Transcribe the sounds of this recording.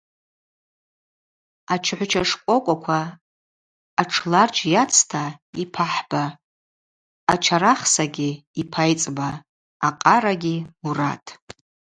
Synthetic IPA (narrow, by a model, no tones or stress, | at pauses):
at͡ʃʰħʷt͡ʃʰaʂkʷʼokʷʼakʷʰa | ʈ͡ʂʰlart͡ʃjat͡sʰtʰaipʰaħb̥a | t͡ʃʰaɾaχsaɡʲiipʰajt͡sʼbaː | qʼaɾaɡʲiura̰tʼ